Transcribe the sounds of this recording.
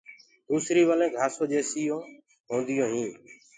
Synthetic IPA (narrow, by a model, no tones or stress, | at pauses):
d̪uːsɾiːʋəlẽːɡʱaːsõːd͡ʒeːsijõː | ɦõːnd̪ɪjõːɦĩː